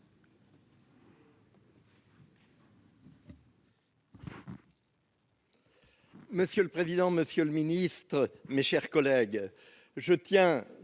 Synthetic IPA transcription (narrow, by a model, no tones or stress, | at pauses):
məsjøləpχezid̪ɑ̃məsjøləminist̪χəmeʃɛʁkɔlɛɡ | ʒət̪jɛ̃